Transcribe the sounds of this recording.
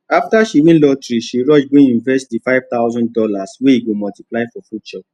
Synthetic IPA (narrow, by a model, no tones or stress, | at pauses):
aftaʃibĩnlɔtɾiʃiɹɔd͡ʒbĩĩnvɛstdifaɪvt̪aʊzɔ̃nddɔlasweiɡomɔltiplaɪfɔfudt͡ʃɔ